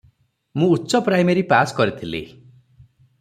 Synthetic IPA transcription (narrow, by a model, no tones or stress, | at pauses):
mũutːsɔpɾajmeɾipaskɔɾit̪ʰilḭ